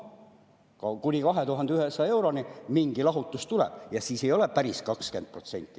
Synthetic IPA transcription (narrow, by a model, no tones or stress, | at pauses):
kɑkunʲikɑɦe̞t̪uɦɑnd̪eyɦesɑe̞wɾo̞nimiŋɡ̥ilɑɦut̪ˑːust̪ulɛ̰b̥̚jɑsiːse̞jo̞lepæɾiskɑkske̞nd̪̚pro̞t̪se̞nʲt̪ːˑi̥